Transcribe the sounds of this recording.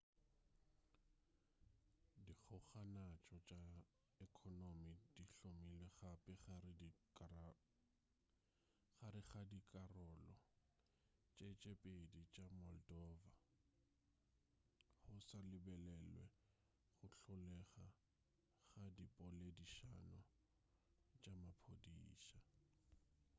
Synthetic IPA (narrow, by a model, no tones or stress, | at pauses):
dik͡xʰʊχanat͡ʃʼɔt͡ʃʼa | ɛkʰɔnomidiɬomileχapʼɛχaɾɪ | χaɾɪχadikʼarɔlɔ | t͡ʃʼet͡ʃʼepʼedit͡ʃʼamɔldɔːva | χʊsalɪbɛlɛlwɛ | χʊɬʊlɛχa | χadipʼɔlediʃa̰nɔ | t͡ʃʼamapʰodiːʃa